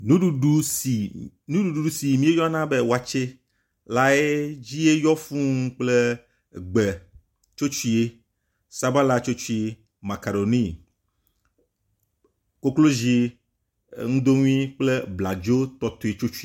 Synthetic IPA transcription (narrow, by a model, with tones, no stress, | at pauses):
nũ˦ɖu˦u˦si˨ | nũ˦ɖu˨ɖu˨ɖu˦si˨mĩ˦e˦jɔ˦a˦nã˦be˦wa˨t͡ʃe˦ | la˦e˦d͡ʑi˦e˦jɔ˦fũ˦ŋ˦k͡ple˦ | ɡ͡be˨ | t͡ʃo˦t͡ʃu˦i˦e˦ | sa˦ba˦la˦t͡ʃo˦t͡ʃu˦i˦ | ma˨ka˨ɖo˨nĩ˦ | ko˦klo˦zi˦ | ŋũ˦d̪o˦ŋũ˦ĩ˦k͡ple˦bla˨d͡ʒo˦t̪ɔ˦t̪o˦e˨t͡ʃo˦t͡ʃu˦i˦